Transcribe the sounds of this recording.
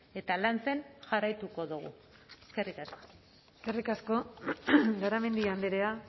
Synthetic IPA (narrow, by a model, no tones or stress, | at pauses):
e̞t̪alant͡se̞nʝarajt̪uko̞ðuɣṵ | eskerikaso | eskerikasko̞ | ɡaɾame̞nd̪iand̪eɾea